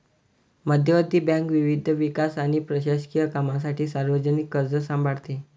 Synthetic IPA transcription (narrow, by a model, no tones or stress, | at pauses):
məd̪ʱjəʋəd̪ʱːiːbãŋkʋiʋid̪ʱʋikasaɽ̃ipɾəɕaɕkijəkamas̬aʈiːsaɾʋəd͡ʑənikːəɾd͡zəsãmbʱaɽt̪e